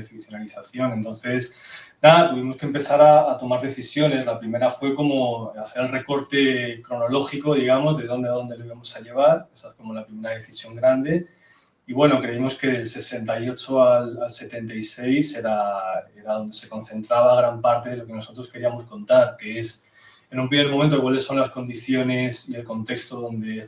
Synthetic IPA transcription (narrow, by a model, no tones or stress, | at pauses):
efɾiθjo̞naliθaθjo̞ne̞nt̪o̞nθe̞s | naðat̪uβ̞imo̞skempe̞θaɾaːt̪o̞maɾðe̞θisjo̞ne̞zlapɾime̞ɾafwe̞ko̞mo̞aθe̞ɾe̞lreko̞ɾt̪e̞kɾo̞no̞lo̞xiko̞ðiɣ̞amo̞zðe̞ðo̞nd̪eðo̞nd̪elo̞iβamo̞saʎe̞β̞aɾesaeko̞mo̞lapɾime̞ɾað̞e̞θisjo̞ŋɡɾand̪e̞ | iβwe̞no̞kɾe̞imo̞ske̞ðelse̞se̞nt̪ajo̞t͡ʃo̞alalse̞t̪e̞nt̪aise̞jse̞ɾae̞ɾaðo̞nd̪e̞se̞ko̞n̟θe̞nt̪ɾaβ̞aɣ̞ɾampaɾt̪e̞ðe̞lo̞ke̞no̞so̞t̪ɾo̞ske̞ɾiamo̞sko̞nt̪aɾkees | enumpɾimeɾmomẽnt̪okwale̞sːo̞nlasko̞nd̪iθjo̞ne̞sie̞lko̞nt̪e̞kst̪oðo̞nd̪e̞